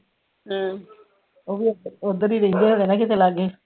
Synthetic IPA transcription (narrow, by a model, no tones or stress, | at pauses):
ɦː | oːʋiod̪əɾiːɾəɦĩːnd̪eːɦoːɽeːnãːkɪt̪ʰelaɡeː